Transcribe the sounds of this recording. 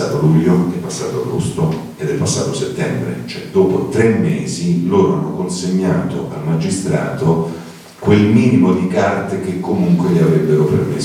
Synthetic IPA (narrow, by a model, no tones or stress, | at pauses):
aːt̪oluʎːoɛpːasːa̰ːt̪oaɡost̪o | ed̪ɛlpasːa̰ːt̪oset̪ːɛmbɾḛt͡ʃoɛd̪oːpot̪ɾemːeːziloːɾoa̰nːokonseɲːaːt̪o̰ʔa̰lmad͡ʒist̪ɾa̰ːt̪o | kwelmiːnimod̪ikart̪ekekːomuŋkweʎiavɾebːeɾopḛrmes